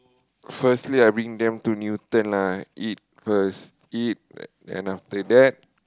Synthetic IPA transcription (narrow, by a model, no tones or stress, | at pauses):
fəstliajbɹĩŋdɛ̃mtunjut̪ə̃nlait̚fəs | it̚dɛ̰̃naft̪ədɛt̚